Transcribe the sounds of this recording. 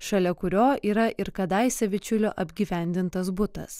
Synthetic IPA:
ʃɐlʲɛkʊɾʲoːʔiːɾɐʔɪɾkɐd̪ɐɪsʲɛʋʲɪt͡ʃʲʊlʲoːʔɐbʲɡʲiːʋʲɛˑnʲd̪ʲɪnt̪ɐs̬bʊt̪ɐ̰s

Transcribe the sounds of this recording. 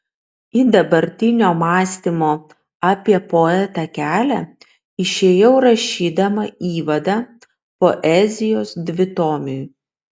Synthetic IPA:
id̪ɐbɐɾʲt̪ʲɪnʲoːmɑːsʲt̪ʲimoː | ɑpʲiɛpoɛt̪ɐkʲæːlʲæ | ɪʃʲeːjɛʊɾɐʃʲiːd̪ɐmɐiːʋɐd̪ɑ | poːʔɛːzʲɪjoːsd̪ʲʋʲɪt̪oːmʲɪ

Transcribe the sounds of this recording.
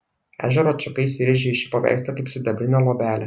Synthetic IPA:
æ̰ʒʲɛɾoːt͡ʃʲʊkɐɪsʲɪɾʲɛʒʲiɪʃʲipɐʋʲæ̰ˑɪst̪ʲɐkɐɪpʲsʲʊd̪ʲɛbʲɾʲɪnʲoːlˠoːbʲæːlʲɛ

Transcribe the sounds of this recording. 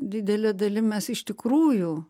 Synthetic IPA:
d̪ʲɪd̪ʲɛlʲɛd̪ɐlʲɪmʲɛsɪʃt̪ʲɪkɾuːjʊ

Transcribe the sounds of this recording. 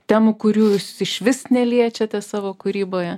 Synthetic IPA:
t̪ʲæːmʊkʊɾʲuːsɪʃʲʋʲɪsnʲɛlʲiɛt͡ʃʲɛt̪ʲɛsɑːʋoːkʊɾʲiːboːjɛ

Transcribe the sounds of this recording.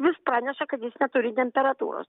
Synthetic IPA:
ʋʲɪspɾɑːnʲɛʃɐkɐt̪jɪsnʲɛt̪ʊɾʲɪt̪ʲɛmʲpʲɛɾɐt̪ṵːɾo̰ːs

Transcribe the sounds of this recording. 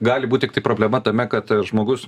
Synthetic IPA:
ɡɑːlʲɪbuːt̪̚ʲt̪ʲɪk̚t̪ɐɪpɾoːbʲlʲɛmɐt̪ɐmʲɛkɐt̪ʒmoːɡʊs

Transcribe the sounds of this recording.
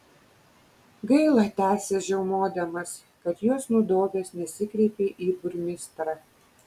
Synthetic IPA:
ɡɐɪlˠɑt̪ʲæːsʲeːʒʲɛʊmoːd̪ʲɐmɐs | kɐt̪joːsnud̪oːʋʲeːsnʲɛsʲɪkɾʲɛɪpʲeːʔiːbʊɾʲmʲɪst̪ɾɑ

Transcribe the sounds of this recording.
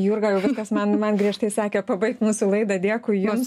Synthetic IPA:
juːrɡɐjɛʊʋʲɪskɐsmɐnmɐnɡɾʲiɛʃt̪ɐɪsɑːkʲɛpɐbɐɪk̚t̪muːsʊlˠɐɪd̪ɐdʲiɛkʊɪjuːm

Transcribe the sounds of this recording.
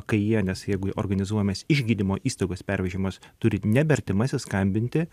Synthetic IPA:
kɐɪjiɛnʲɛsjɛɪɡʊʔo̰rɡɐnʲɪzuɔjomʲeːsɪʒʲɡʲiːd̪ʲɪmoːʔiːst̪ɐɪɡoːspʲɛɾʲʋʲɛʒʲɪːmoːst̪ʊɾʲɪnʲɛbʲɛɐɾʲt̪ʲɪmɑːsʲɪskɐmʲbʲɪnʲt̪ʲɪ

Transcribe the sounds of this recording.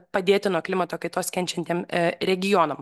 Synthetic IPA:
pɐd̪ʲeːt̪ʲɪnuɔklʲɪmɐt̪oːkɐɪt̪oːskʲɛnʲt͡ʃʲɛnt̪ʲeːmɾʲɛɡʲɪjoːnɐm

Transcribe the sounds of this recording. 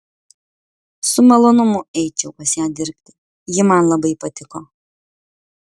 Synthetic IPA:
sʊmɐlˠoːnʊmʊɛɪt͡ʃʲɛʊpɐsʲjæːd̪ʲɪɾʲpʲt̪ʲɪ̥ | jɪmɐnlˠɐbɐɪpɐt̪ʲɪkoː

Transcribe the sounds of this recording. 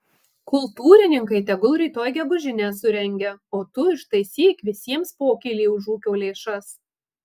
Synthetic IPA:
kʊlˠt̪uːɾʲɪnʲɪŋkɐɪt̪ʲɛɡʊlˠɾʲiːt̪oːjɡʲɛɡʊʒʲɪnʲæːsʊɾʲɛŋʲɡʲɛoːt̪ʊɪʃt̪ɐɪsʲiːkʋʲɪsʲiɛmspoːkʲiːlʲiːʊʒuːkʲoːlʲeːʃɐs

